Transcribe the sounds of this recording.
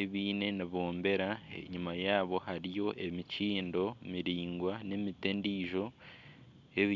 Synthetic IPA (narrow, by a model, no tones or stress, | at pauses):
eβiːne̞niβoːmbe̞ɾa̰ɲumajaːβo̞haɾijo̞ʔe̞miciːndo̞miɾiːŋɡwane̞mitendiːʒo̞ | e̞βi